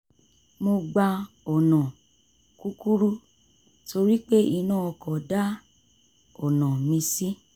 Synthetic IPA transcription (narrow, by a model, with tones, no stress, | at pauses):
mo˧ɡ͡ba˧ | ɔ˨nã˨ | ku˦ku˦ɾu˦ | to˧ɾi˦k͡pe˦i˧nãː˦˨ɔ˧kɔ˨da˦ | ɔ˨nã˨mĩ˧si˦